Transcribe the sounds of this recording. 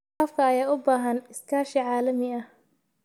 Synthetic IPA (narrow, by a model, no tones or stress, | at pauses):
afkʰɐːjaːʊbaːɦɐnɪskʰaːʃiʕaːlɐmɪɐh